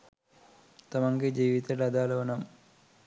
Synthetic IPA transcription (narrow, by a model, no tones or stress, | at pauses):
t̪ɐmɐŋkid͡ʒiːʋit̪ɐʈɐd̪aːlɐʋɐnɐm